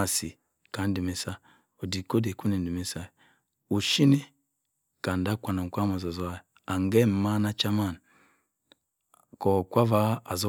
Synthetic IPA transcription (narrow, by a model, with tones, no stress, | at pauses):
a˨si˨ | ka˨˦n̩˦di˨me˨sa˦ | o˨di˨ko˦de˨ku˦ni˨n˨di˨me˨sa˦˨ | u˨ʃi˦ni˦ | ka˨n˨da˦kʷa˨na˨kʷa˦ma˨za˨zɔ˦a˦˨ | a˨ŋɡɛ˦m̩˨ma˦na˦t͡ʃa˦ma˦˨n˨ | kɔ˨kʷa˦va˦a˨zo˦